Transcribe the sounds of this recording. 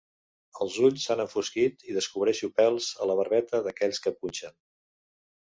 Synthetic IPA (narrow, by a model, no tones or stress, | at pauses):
əlˠzuʎsːanəɱfuskit̪iðəskuβɾɛʃupɛlˠzələβəɾβɛt̪əðəkɛʎskəpunʲt͡ʃən